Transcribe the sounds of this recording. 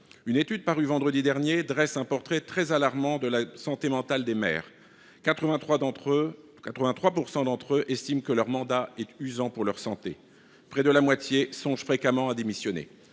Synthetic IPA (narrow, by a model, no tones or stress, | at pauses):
ynet̪yd̪̚paʁyvɑ̃d̪ʁəd̪id̪ɛʁnjed̪ʁɛsɛ̃pɔʁt̪χɛt̪χɛzalaʁmɑ̃d̪əlasɑ̃t̪emɑ̃t̪ald̪emɛ̰ːʁ | kat̪χəvɛ̃w̪ | kat̪χəvɛ̃t̪χwapuʁsɑ̃d̪ɑ̃t̪χøʔɛst̪imkəlœʁmɑ̃d̪aɛt̪yzɑ̃puʁlœʁsɑ̃t̪e | pχɛd̪əlamwat̪jesɔ̃ʒfχekamɑ̃ad̪emisjɔnḛ